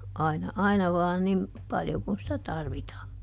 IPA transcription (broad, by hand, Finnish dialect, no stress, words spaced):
ɑinɑ ɑinɑ ʋɑː nim pɑljo kun sitæ tɑrʋitɑː